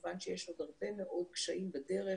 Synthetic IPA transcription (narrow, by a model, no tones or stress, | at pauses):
vanʃejeʃod̪aʁbemeʔo̞d̪̚kʃaʔimbad̪eʁe